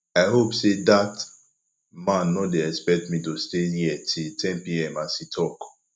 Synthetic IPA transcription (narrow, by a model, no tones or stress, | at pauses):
aɪɦopsedat | mãnːɔ̃deɛkspɛk̚tmĩtostejiɛtʰiltʰɛ̃mpiɛmasitʰɔk